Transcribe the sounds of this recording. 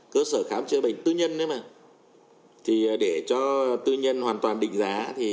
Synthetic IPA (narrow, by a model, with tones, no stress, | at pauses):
kəː˧səː˧˩xaː˨˦mt͡ɕɨ˧ɓə̰˧˨ŋ̟t̪ɨ˧ɲə˧nːɨ˧˦maː˨˩ | t̪ʰi˨˩ɗe˧˩t͡ɕɔ˧t̪ɨ˧ɲə˧nhwaː˨˩nt̪waː˨˩nɗḭ˧˨ŋ̟zaː˨˦t̪ʰi˨˩